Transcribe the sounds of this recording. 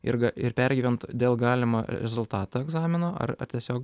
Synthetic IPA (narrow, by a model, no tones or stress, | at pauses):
ɪ̰ɾɡɐɪɾpʲɛɾʲɡʲiːʋʲɛnt̪d̪ʲeːlˠɡɑːlʲɪmoːɾʲɛzʊlˠt̪ɑːt̪oːɛɡzɑːmʲɪnoːʔɐ̰rɐ̰rt̪ʲiɛsʲoːk